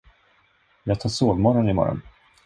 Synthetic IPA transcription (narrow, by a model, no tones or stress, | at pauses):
jɑːɡ̚t̪ʰɑːʂoːɡmɔɾɔnɪmɔ̰ɾɔ̰n